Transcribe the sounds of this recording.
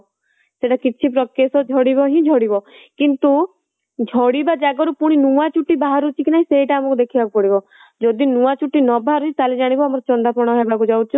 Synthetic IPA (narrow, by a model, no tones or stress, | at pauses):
seʈakit͡ʃʰipɾɔkːesɔd͡ʒʱɔɽibɔɦĩd͡ʒʱɔɽibɔkint̪u | d͡ʒʱɔɽibad͡ʒaɡɔɾupuɽ̃inuat͡ʃuʈːibaɦaɾut͡ʃʰikinaɦĩseɦiʈaːmɔkud̪ekʰibakupɔɽibɔ | d͡ʒɔd̪inuat͡ʃuʈːinɔbaɦaɾut͡ʃit̪aled͡ʒaɽ̃ibɔamɔɾɔt͡ʃɔnd̪apɔɽ̃ɔɦebakud͡ʒawt͡ʃʰɔ